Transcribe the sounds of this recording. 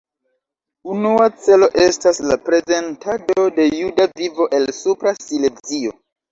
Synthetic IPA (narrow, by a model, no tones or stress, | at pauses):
unuat͡se̞lo̞ʔe̞staslapɾe̞ze̞ntʰado̞de̞judavivo̞ʔe̞lsupɾasile̞zio̞